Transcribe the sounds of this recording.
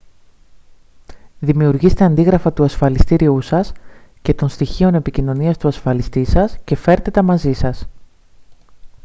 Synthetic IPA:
ðimiuɾʝist̪e̞ɐnd̪iɣɾɐfɐt̪uɐsfɐlist̪iɾiusɐsce̞t̪o̞nst̪içio̞ne̞picino̞niɐst̪uɐsfɐlist̪isɐsce̞fe̞ɾt̪et̪ɐmɐzisɐs

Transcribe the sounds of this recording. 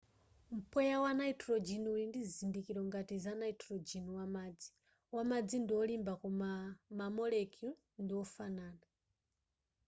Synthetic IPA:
m̩pʰɔjawanaitʰɾɔd͡ʒiniulindizindikiɾɔŋɡatizanaitʰɾɔd͡ʒiniwamad͡zi̥ | wamad͡zindiwɔlimbakumamamɔlɛkjul | ndiwɔfanaːna

